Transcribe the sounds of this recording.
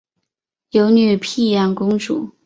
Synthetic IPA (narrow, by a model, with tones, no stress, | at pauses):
jo˧˥ʊny˨˩pʰi˥˧jɑ˥˩ŋkʊ˥ŋʈ͡ʂṵ˨˩˦